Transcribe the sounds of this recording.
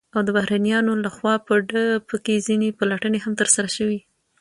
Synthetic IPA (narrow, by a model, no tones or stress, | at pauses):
awd̪əbahɾɑnijɑnolaxwɑpəɖəpəkezinepalaʈəneɦamt̪əɾsaɾaʃəwi